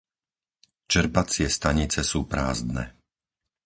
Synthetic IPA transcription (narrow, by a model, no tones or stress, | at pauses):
t͡ʃɛɾbat͡sɪɛst̪aɲit͡sɛsuːpɾa̰ːzd̪nɛ̰ː